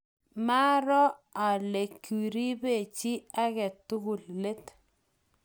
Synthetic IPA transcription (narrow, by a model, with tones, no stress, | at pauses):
ma˦ɾɔ˦a˨le˨ki˨ɾi˦be˦˨t͡ʃi˦a˦ɣɛ˨tu˦ɣu˨lle˦t